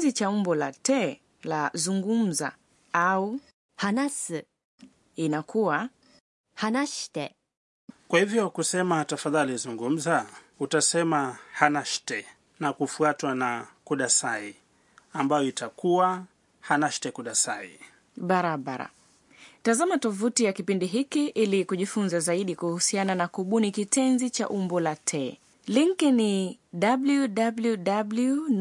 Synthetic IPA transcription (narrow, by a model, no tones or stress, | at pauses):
zit͡ʃaumbɔlatɛ | lazuŋɡum̩za̰ | au | hanasi | inakuwa | hanaʃtɛ | kwahivjɔkusɛmatafaðalizuŋɡum̩za | utasɛmahanaʃtɛ | nakufuatwanakuɗasai | ambajɔitakuwa | hanaʃtɛkuɗasai | ɓaɾaɓaɾa̰ | tazamatɔvutijakipindiɦikiʔilikuʄifunzazaiɗikuhusiananakuɓunikitʰɛnzit͡ʃa̰ʔumbɔlatʰɛ | liŋkini | ɗabluɗabluɗablu